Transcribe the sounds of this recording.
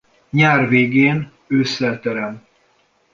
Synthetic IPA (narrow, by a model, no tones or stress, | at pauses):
ɲaːrveːɡeːn | øːsːɛlt̪ɛɾɛm